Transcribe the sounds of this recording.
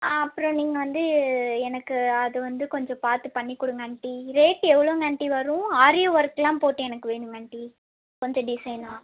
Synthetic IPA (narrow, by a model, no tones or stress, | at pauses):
aɐpːɯɾɔ̃niːŋɡɐʋɐnd̪ɯɛnɐkːɯɐðɯʋɐnd̪ɯkɔɲd͡ʒɔ̃paːɾt̪ɯpɐɳːikːɔɽɯŋɡɐɳʈːiɾeːʈːɛʋːɐɭoːŋɐɳʈːiʋɐɾʊ̃aːɾɪjoːʋɐɾkːɐlãːmpoːʈːɯ̃ɛnɐkːɯʋeːɳɯŋɡɐɳʈːi | kɔɲd͡ʒɔ̃ɖɪsɐɪnãː